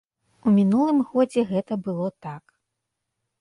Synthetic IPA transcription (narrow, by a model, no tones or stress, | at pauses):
umʲinulˠɨmɣɔd͡zʲɛɣɛt̪ɐbɨlˠɔt̪ak